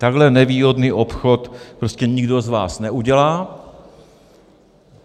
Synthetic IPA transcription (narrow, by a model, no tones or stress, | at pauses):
t̪aɡɦlɛnɛviːɦo̞dniːʔopxot̪pɾoscɛɲɪɡdozva̰ːsnɛʔuɟɛlaː